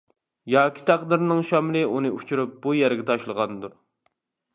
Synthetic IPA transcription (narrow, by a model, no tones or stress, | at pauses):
jɑːkʲʰi̥t̪ʰæqd̪ɨɾnɨŋʃɑmlɨunɨut͡ʃʰuɾup̚bujæɾɡʲɛt̪ʰɑʃlˠəʁɑnd̪uɾ